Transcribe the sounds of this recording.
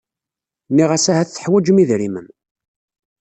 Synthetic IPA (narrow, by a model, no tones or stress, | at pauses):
nːiʁæsæhæθθə̥ħwæd͡ʒəmiðɾimən